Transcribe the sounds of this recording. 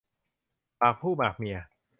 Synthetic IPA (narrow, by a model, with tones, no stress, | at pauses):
paː˨˩k̚pʰuː˥˩baː˨˩k̚mi˧ɐ